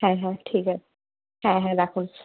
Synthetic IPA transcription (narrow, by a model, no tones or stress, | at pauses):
hɛ̃ɦɛ̃ʈʰika | hɛ̃ɦɛ̃d̪ɛkʰun